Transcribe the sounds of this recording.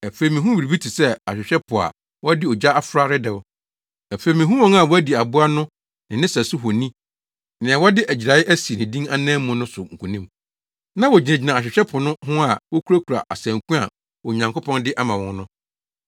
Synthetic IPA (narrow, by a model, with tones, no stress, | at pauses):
æ˨fe˨i˨mĩ˨ɦũ˦wi˨ɾi˨bi˦tʰi˨sɛ˦a˨ɕᶣɪ˨ɕᶣɛ˦pʰʊ˨a̰˨ | wɔ˦dɪ˦ɔ˨d͡ʑa˦a˦fɾa˦ɾɪ˦dɛ˨ʊ˦ | æ˨fe˨mĩ˨ɦũ˦wɔ̃˦na˨wɔ˦æ˦di˨a˨bʊ˦a˦nʊ̃˦ | nɪ̃˨nɪ̃˦sæ˨sʊ˦ɦɔ˨nĩ˦ | nɪ̃˨ɛ̃˨wɔ˦dɪ˦ʔæ˨d͡ʑi˨ɾa˨ɪ˦ʔæ˦si˨nɪ̃˨dĩ˦ŋa˦nɛ̃ː˦mːʊ̃˦nʊ̃˦sʊ˨ŋ̩˨kʰũ˨nĩ˦m | nã˦wɔ˨d͡ʑi˨nɛ̃˨d͡ʑi˨nã˨ɕᶣɪ˨ɕᶣɛ˦pʰʊ˨nʊ̃˦hʊ̃˦a˨wɔ˦kʰu˦ɾa˦kʰu˨ɾa̰˨ʔa̰˨sæ̃˨ŋkũ˦a̰˨ | wɔ˨ɲã˨ŋko˦pʰɔ̃˦ndɪ˦ʔa˦mã˨wɔ̃˦n˦nʊ̃˦